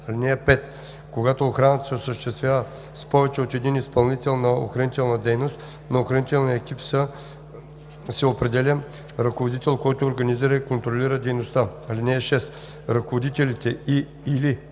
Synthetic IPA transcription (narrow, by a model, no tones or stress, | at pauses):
linɛɛpɛt̪ | koɡat̪oːxɾanət̪ə̥sɛosəʃt̪ɛst̪vʲjavə | spɔvɛt͡ʃɛot̪ɛd̪inispɐlˠnit̪ɛlˠnɐo̰xɾɐnit̪ɛlˠnɐd̪ɛjnost̪ | nɐoxɾɐnit̪ɛlˠniəɛkipsə | sɛopɾɛd̪ɛlʲə | ɾɐkovod̪it̪ɛlˠkɔjt̪oːɾɡɐniziɾəikont̪ɾolʲiɾəd̪ɛjnost̪aalinɛɛʃɛs | ɾɐkovod̪it̪ɛlit̪ɛi | ili